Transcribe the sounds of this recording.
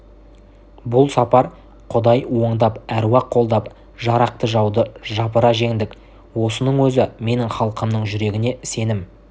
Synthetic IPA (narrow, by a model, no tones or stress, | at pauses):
bʊlˠsɑpɑɾ | qʰʊd̪ɑjwo̞ɴd̪ɑpæɾwɑqʰːo̞lˠd̪ɑp | ʒɑɾɑq̚t̪əʒɑwd̪əʒɑpəɾɑʒe̞ŋd̪ɪk | wo̞sənəɴwɵzɪme̞nɪŋχɑlˠəqəmnəɴʒʏɾe̞ɡʲɪne̞se̞nɪm